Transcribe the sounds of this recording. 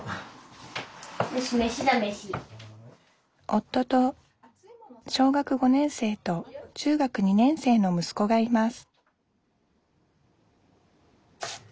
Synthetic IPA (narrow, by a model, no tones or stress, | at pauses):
ɯɕimeɕid̪ameɕi | o̞t̪ːo̞t̪o̞ | ɕo̞ːɡakɯ̟ɡo̞nẽ̞ɰ̃se̞ːt̪o̞t͡ɕɨːɡakɯ̟ɲ̟inẽ̞ɰ̃se̞ːno̞mɯ̟sɨ̥ko̞ɡaimasɨ̥